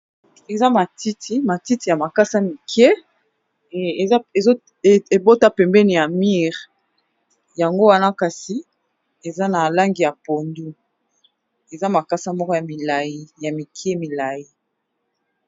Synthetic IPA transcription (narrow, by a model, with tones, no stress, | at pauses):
e˨za˦ma˨ti˦tʰi˦ma˨ti˦ti˨ja˨ma˨ka˦sa˦mi˨ke˦˨˦ | e˨zo˦˨ | e˨bo˦ta˦pɛ˨mbɛ˦ni˨ja˨mi˦ʁ | ja˨ŋɡo˦wa˦na˦ka˨si˨ | e˨za˦na˨la˦ŋɡi˨ja˨po˨ndu˦ | e˨za˦ma˨ka˦sa˦mɔ˦kɔ˦ja˨mi˨la˨ji˦ja˨mi˨kʰje˦mi˨la˨ji˦